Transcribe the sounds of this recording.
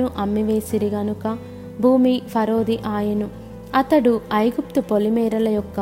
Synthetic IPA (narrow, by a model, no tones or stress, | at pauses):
uʔɐmːiʋe̞ːsiɾiɡɐnukɐ | bʱuːmipʰɐɾo̞ːd̪iʔaːjɐnu | ɐt̪ɐɽuɐjɡup̚t̪upolimɛːɾɐlɐjɔkːɐ